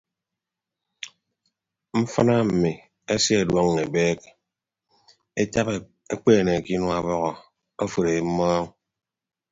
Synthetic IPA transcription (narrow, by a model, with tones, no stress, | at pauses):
m̩˦fa˦na˦m̩˨mi˨ | e˦si˦e˨dwɔ˦ŋn˨e˨beː˦k | e˦ta˦p | e˦k͡peː˦˨ne˨ki˦nwa˦˨bɔ˦ɣɔ˨ | o˦fu˨ɾe˨i˨˦m̩˦mɔː˦ŋ